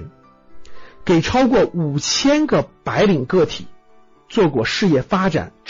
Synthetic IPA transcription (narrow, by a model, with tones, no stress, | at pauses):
ke˨˩ɪʈ͡ʂʰɑ˥ʊkwɔ˥˩u˨˩t͡ɕʰjɛ˥nɡə˨pa˧˥ɪli˨˩ŋkɤ˥˩t̪ʰḭ˨˩˦ | t͡swɔ˥˩kwɔ˥˩ʂɻ̩˥˧jɛ˥˩fa˥ʈ͡ʂa̰˨˩˦nʈ͡ʂ